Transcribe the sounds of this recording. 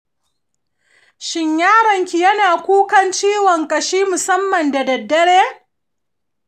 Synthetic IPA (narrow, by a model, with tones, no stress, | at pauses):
ʃɪ˦ɲjaː˦ɾɐ˨ŋkʲi˨jɐ˦naː˨kʷuː˦kɐ˦nt͡ʃiː˦wɔ˨ŋkʼɐ˨ʃiː˦mʊ˨sɐ˦mːɐ˨nda˨dɐ˨dːɐ˦ɽeː˦